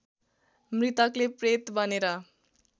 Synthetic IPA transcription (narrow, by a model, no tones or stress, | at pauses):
mrit̪ʌklepret̪bʌneɾʌ